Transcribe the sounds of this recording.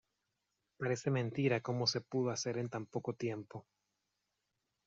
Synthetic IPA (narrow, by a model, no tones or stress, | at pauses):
paɾe̞se̞mẽnt̪iɾako̞mo̞se̞puðoase̞ɾe̞nt̪ampo̞ko̞t̪je̞mpo̞